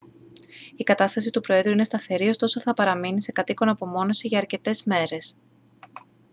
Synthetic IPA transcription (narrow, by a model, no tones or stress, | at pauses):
ikɐt̪ɐst̪ɐsit̪upɾo̞e̞ðɾuine̞st̪ɐθe̞ɾio̞st̪o̞so̞θɐpɐɾɐminise̞kɐt̪iko̞nɐpo̞mo̞no̞siʝɐːɾce̞t̪e̞zme̞ɾe̞s